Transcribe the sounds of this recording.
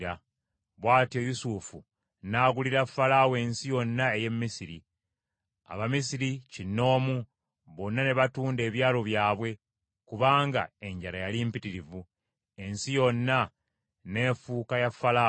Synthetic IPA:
ɾa | βwaːtijo̞jusufu | naːɡuliɾafalaːwe̞ːnsijo̞nːae̞je̞mːisiɾi | a̰βamisiɾicinːo̞ːmu | βo̞nːane̞βatuːnde̞ːβjaːlo̞βjaːβwe̞ | kuβaːŋɡa̰e̞ɲɟaɾajalimpitiɾivu | e̞nsijo̞nːa | ne̞ːfuːkajafːala

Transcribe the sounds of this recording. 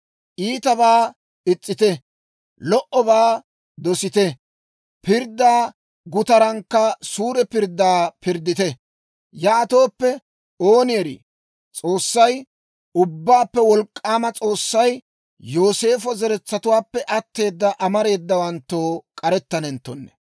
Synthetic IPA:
ʔiːt̪ɐβaː | ɪt͡sʼːɪt̪ɛ | lɔʔɔbaː | d̪ɔsɪt̪ɛ | pɪɾd̪ːaː | ɡʊt̪ɐɾɐŋkːɐsuːɾɛpɪɾd̪ːaːpɪɾd̪ːɪt̪ɛ | jaːt̪o̞ːpːɛ | oːnɪjɛɾḭ | t͡sʼo̞ːsːɐj | ʊbːaːpːɛwɔlkʼːaːmɐt͡sʼo̞ːsːɐj | jo̞ːse̞ːfɔzɛɾɛt͡sːɐt̪ʊwaːpːɛʔɐt̪ːe̞ːd̪ːɐʔɐmɐɾe̞ːd̪ːɐwɐnt̪ːo̞ːkʼɐɾɛt̪ːɐnɛnt̪ːɔnːɛ̥

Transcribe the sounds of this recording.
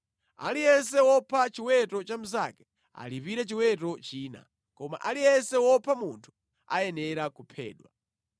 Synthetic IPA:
a̰lijɛns̬ɛwɔpʰat͡ʃiwɛtɔt͡ʃam̩za̰kɛ̥ | a̰lipiɾɛt͡ʃiwɛt̬ɔt͡ʃiːna̰ | kɔma̰ʔalijɛnsɛwɔpʰamuntʰu̥ | ajɛnɛɾakupʰɛ̰ːɗwa̰

